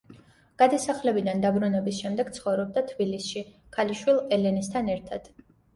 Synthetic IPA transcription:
ɡ̥ad̪asaχlɛbid̪and̪abɾunɛbisʃɛmd̪ɛɡ̥t̪sʰχɔvɾɔb̚d̪at̪ʰbilisʃi | kʰaliʃwilˠɛlɛnist̪ʰanɛɾt̪ʰad̪̥

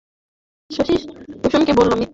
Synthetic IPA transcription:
ʃoʃiʃoʃomkebolːomi

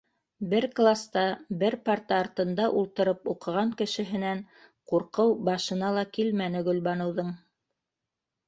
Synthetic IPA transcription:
bɘɾklˠast̪ɑbɘɾpaɾt̪ɑːɾt̪ɤ̆nd̪ɑʔulˠt̪ɤ̆ɾɤpuqɤ̆ʁɑŋkɘ̆ʃɘ̆ɦɘ̆næŋ | quɾqɤwbɑʃɤ̆nɑlˠɑkilmænɘ̆ɡɵ̆lbɑnɤ̆wðɤɴ

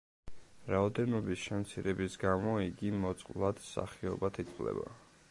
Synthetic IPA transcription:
ɾaɔd̪ɛnɔbisʃɛmt̪sʰiɾɛbisɡamɔiɡimɔt̪sʼqʼvlˠad̪̥sa̰χiɔbat̪ʰit̪ʼqʼvlɛ̰ba̰

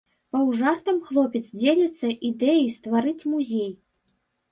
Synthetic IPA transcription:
pɐwʐart̪ɐmxlˠɔpʲɛt̪sd͡zʲelʲɐt̪sːɐʔid̪ɛjist̪vaɾɨt͡sʲmuzʲej

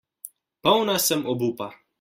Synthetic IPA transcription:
pawnasəmobupa

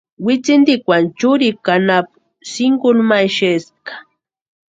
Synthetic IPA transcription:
wɪt͡sɪnd̪ikwant͡ʃʊɾikanap̚ | sɪŋɡʊlmajʃeskḁ

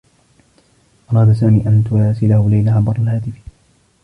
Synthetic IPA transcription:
ʔɑɾˤɑːd̪asaːmiːʔant̪ʊɾɑːsɪlahʊlajlaʕɑbˤɑɾˤɑlhaːt̪ɪf

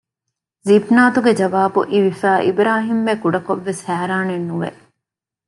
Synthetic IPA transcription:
zibnaːt̪uɡed͡ʒɐʋaːbṵʔiʋifæːʔibɾaːɦimːekuɖɐkoʋːeshæːɾaːnenːuʋḛ

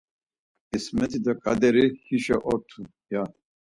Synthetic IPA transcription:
ɛsmɛt̪ʰid̪akʼad̪ɛɾihiʃɛʔɔt̪ʰu | ja

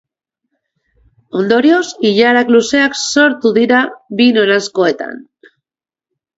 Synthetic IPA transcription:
ond̪o̞ɾjosiʎaɾakluseakso̞ɾt̪uðiɾaβinonaskoet̪a̰n

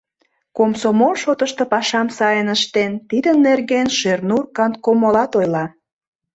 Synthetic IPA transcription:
komsomolʃot̪əʃt̪ɤ̆pɑʃɑmsɑjənəʃt̪ent̪id̪ənːerɣenʃernurkɑnt̪̚komolɑt̪ojlɑ

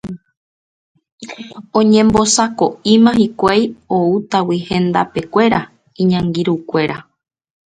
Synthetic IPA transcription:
õɲẽmbo̞sako̞imãɦikʷajout̪awihẽ̞nd̪ape̞kʷe̞ɾa | iɲãŋɡiɾukʷe̞ɾa

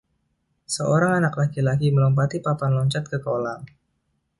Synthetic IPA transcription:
səoɾaŋanaklakilakiməlɔmpat̪ipapanlɔɲt͡ʃat̪̚kəkolam

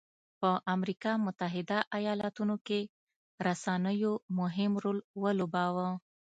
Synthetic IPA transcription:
pəʔamɾikɑmʊt̪aɦɪd̪aʔajɑlɑt̪unoke | ɾasɑnəjomʊɦɪmɾolwəlobɑwə

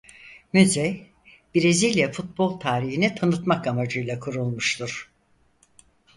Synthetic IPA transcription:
myzɛ | biɾezilʲjafut̪̚bo̞lˠt̪ʰaːɾiɦinit̪ʰanɯt̪makamad͡ʒɯjlˠakʰuɾulˠmuʃt̪ʰuɾ̥

